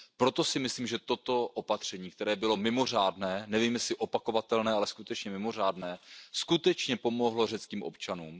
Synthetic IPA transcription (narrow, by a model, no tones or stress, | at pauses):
pɾot̪o̞sɪmɪsliːmʒɛt̪o̞t̪o̞ʔopat̪r̝̥ɛɲiːk̚t̪ɛɾɛːbɪlo̞mɪmo̞r̝aːdnɛːnɛviːmjɛslɪʔo̞pako̞vat̪ɛlnɛːalɛskut̪ɛt͡ʃɲɛmɪmo̞r̝aːdnɛːskut̪ɛt͡ʃɲɛpo̞mo̞ɦlo̞rɛt͡skiːmʔo̞̰pt͡ʃanuːm